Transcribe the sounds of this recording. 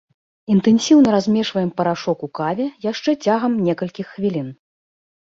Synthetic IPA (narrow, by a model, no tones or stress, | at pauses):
int̪ɛnʲsʲiwnɐɾazʲmʲɛʂvɐjɛmpɐɾaʂɔkukavʲɛjaʂt͡ʂɛt͡sʲaɣɐmnʲɛkɐlʲkʲixːvʲilʲin